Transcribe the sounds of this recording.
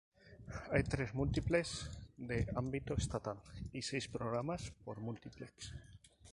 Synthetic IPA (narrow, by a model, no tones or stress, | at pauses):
ajt̪ɾezmult̪iplesd̪eambit̪oest̪at̪alisejspɾoɣɾamaspoɾmult̪ipleks